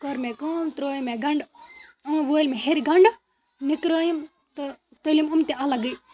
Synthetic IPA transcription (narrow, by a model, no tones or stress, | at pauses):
koɾmẽkoːmt̪ɾoːjmẽɡɐɳɖɐʋoːilmẽɦeɾiɡɐɳɖ | nɪkɾaːjim | t̪ɐ | t̪ɐlimʊmt̪eɐlɐɡi